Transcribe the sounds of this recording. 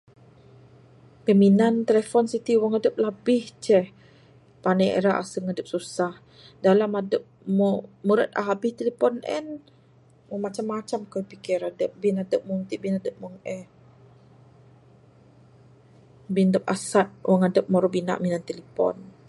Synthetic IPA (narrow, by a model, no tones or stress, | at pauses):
kəminant̪elefɔnsit̪iwaŋadəp̚labɪht͡ʃɛh | panəḛɾaʔasəŋadəp̚susah | dalamadəp̚mɔmuɾət̪̚a̰ɦabɪht̪elepɔnʔɛ̰n | wamat͡ʃamːat͡ʃamkəpikɛɾadəp̚binadəp̚muŋt̪iʔbinadəp̚maŋɛ | bindəp̚asat̪̚wʔaŋadəp̚mɔɾɔbina̰ʔminant̪elepɔ̰n